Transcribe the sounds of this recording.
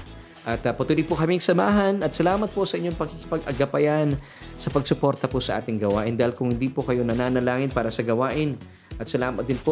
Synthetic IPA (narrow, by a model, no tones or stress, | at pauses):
ʔɐt̪ɐpɐt̪uːlipʊkɐmiŋsɐmaːɦɐnɐt̪̚sɐlaːmɐt̪̚posɐʔɪɲːo̞ŋpɐɡkɪkɪ̥pɐɡʔɐɡɐpɐjan | sɐpɐɡsʊpo̞ɾt̪ɐposɐʔa̰ːt̪ɪŋɡɐwaːʔɪnd̪aːhɪlkʊŋhɪnd̪iːpokɐjo̞nɐnaːnɐlaːŋɪnpaːɾɐsɐɡɐwaːʔɪn | ʔɐt̪sɐlaːmɐt̪̚d̪ɪnpo